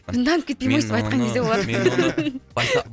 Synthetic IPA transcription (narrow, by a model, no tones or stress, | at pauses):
bɨnd̪ɑnpkʰʲːet̪pejmojst̪epɑjt̪qɑŋkʲʰezd̪ebolˠɑd̪ə